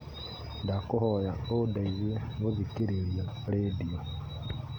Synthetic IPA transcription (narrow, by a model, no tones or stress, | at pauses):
ndakuhojaodaizieŋɡozikiɾiɾia | ɾedio